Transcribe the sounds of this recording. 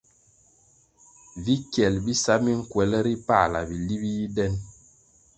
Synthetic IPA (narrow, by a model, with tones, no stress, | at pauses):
vi˦kjɛ˨lbi˦sa˦mi˦ŋ̩˦kwɛ˨lɛ˦ɾi˦pa˦˨la̰˨bi˨li˦bi˦ji˦dɛ˦n